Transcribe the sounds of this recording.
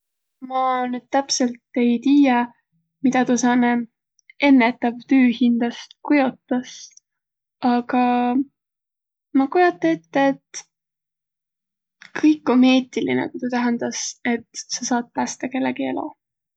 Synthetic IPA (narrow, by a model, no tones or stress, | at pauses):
mɑnyːd̪̥̚t̪æpse̞lt̪ːe̞jt̪iːje | mid̪ɑt̪usɑne | e̞nːet̪ːˑɑvt̪yːhind̪̥ɑst̪kujo̞t̪ːˑɑs | ɑɡ̥ɑ | mɑkujo̞t̪ːˑɑet̪ːeːt̪ː | kɤjkːˑome̞ːt̪ilḭnḛkut̪ut̪æɦænd̪̥ɑse̞t̪sɑsɑːd̪̥̚pæːst̪ɑke̞lːeɡie̞̰lo̰